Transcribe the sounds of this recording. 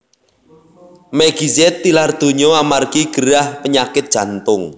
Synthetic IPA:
mɛɡ̥i̤zɛt̪ːilard̪̥o̤ɲɔamarkiɡ̥ə̤ɾahpəɲakɪt̪̚dʒ̥ä̤nt̪ʊŋ

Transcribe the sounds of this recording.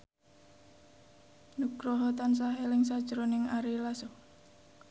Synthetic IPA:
nuɡ̥ɾɔɦɔt̪ans̬aɦɛlɪŋsad̥ʒ̥əɾonɪŋaɾilasɔ

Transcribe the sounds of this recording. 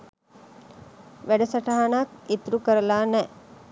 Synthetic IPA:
ʋæɖɐsɐʈaɦanaːkit̪ɾukəɾəlaːnɛ

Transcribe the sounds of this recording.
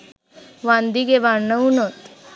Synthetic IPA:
ʋãnd̪iɡeʋanəunot̪

